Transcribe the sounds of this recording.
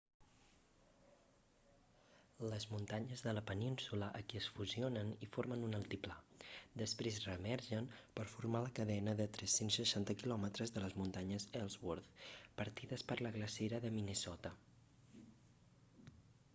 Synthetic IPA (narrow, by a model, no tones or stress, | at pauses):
ləzmunt̪aɲəzðələpəninsuləʔəkiəsfuzionənifoɾmənunəlˠt̪iplad̪əspɾezrəmɛɾʒənpəɾfuɾmaləkəðɛnəðət̪ɾɛsensːəʃant̪əkilɔmət̪ɾəzðələzmunt̪aɲəzɛlˠzwoɾθpəɾt̪iðəspəɾləɣləseɾəðəminəsɔt̪ə